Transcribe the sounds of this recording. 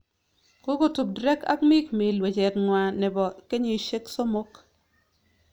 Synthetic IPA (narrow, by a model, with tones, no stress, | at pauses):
ko˦ɡo˦tu˨b̚dɾɛ˦ka̰˦kmi˦kme˨lwe˨t͡ʃɛ˨tnwa˨nɛ˨bɔ˨ke˦ɲo˦i˨ʃe˦kso˦mo˦k